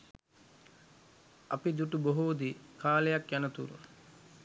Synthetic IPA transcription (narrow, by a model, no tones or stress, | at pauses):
ɐ̰pid̪uʈuboɦuːd̪ikʰaːlejakjanət̪ṵɾṵ